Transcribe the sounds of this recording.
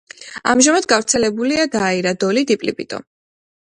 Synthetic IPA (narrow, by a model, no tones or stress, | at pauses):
a̰mʒamad̪ɡavɾt̪sʰɛlɛbuliad̪aːiɾad̪ɔlid̪ipʼlipʼḭt̪ʼɔ̰